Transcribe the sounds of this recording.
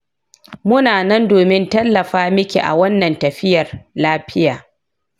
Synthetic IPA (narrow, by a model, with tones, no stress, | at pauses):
mʊ˦naː˨nɐ˦ndoː˨mɪ˦ntɐ˦lːɐ˨ɸaː˦mɪ˦kʲḛ˨ʔa̰˨wɐ˦nːɐ˨ntɐ˨ɸɪ˦jɐ˨rlaː˦ɸɪ˦jaː˨